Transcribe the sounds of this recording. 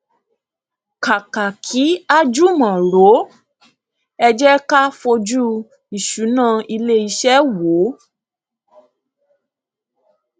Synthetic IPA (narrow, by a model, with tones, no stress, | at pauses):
ka˨ka˨kʰi˨˦a˦d͡ʒu˦mã˨ɾo˨˦ | ɛ˧d͡ʒɛ˦ka˦fo˧d͡ʒu˦ | i˨ʃu˨˦nãː˦˨i˧le˦i˧ʃɛ˦wo˨˦